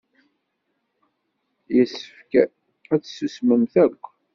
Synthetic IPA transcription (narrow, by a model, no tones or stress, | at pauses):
jəsːə̥fkæ | æt͡sːsusməmθækʷː